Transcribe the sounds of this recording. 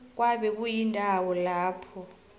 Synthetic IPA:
k̬waɓɛk̬ʼujindʱawɔlaːpʰɔ

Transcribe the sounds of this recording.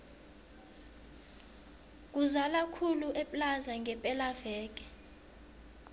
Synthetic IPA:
k̬ʼuzalakʰuluʔɛplazaŋʱɛpʼɛlavɛːk̬ʼɛ

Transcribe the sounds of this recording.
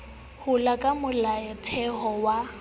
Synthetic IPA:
hʊlakʼamʊlaɛtʰɛhɔwa

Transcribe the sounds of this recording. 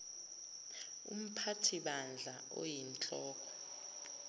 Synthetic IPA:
ṵm̩pʰatʰiɓand͡ɮʱaʔo̰jint͡ɬʼɔːkʰɔ̥

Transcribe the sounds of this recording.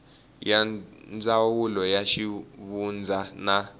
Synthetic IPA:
jand͡zawulɔjaʃiβund͡zʱana

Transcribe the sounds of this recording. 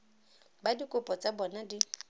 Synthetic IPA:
badikʼʊpʼɔt͡sʼabɔnadi

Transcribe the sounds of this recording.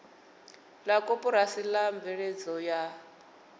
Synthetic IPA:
lakʼopʼɔɾasilaɱbvɛɺed͡zɔja

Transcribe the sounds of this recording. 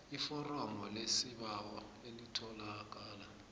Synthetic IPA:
ifɔrɔmɔlesiɓawɔelitʰɔlak̬ʼaːla

